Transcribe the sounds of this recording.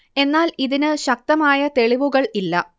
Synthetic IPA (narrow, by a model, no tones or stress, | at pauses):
e̞nːaːliðinɨɕɐk̚t̪ɐmaːjɐt̪e̞ɭiʋuɣɐɭilːɐ